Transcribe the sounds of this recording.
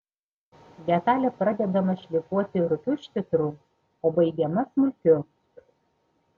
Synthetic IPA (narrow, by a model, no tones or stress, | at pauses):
d̪ʲɛt̪ɑːlʲɛpɾɐd̪ʲɛd̪ɐmɐʃʲlʲɪkuɔt̪ʲɪɾʊkʲʊʃʲt̪ʲɪt̪ɾuː | oːbɐɪɡʲɛmɐsmʊlʲkʲʊ